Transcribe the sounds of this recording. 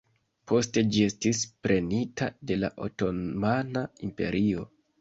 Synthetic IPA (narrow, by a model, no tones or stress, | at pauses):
pʰo̞ste̞d͡ʒie̞stispɾe̞nitade̞la̰ʔo̞̰to̞manaimpe̞̰ɾʔio̞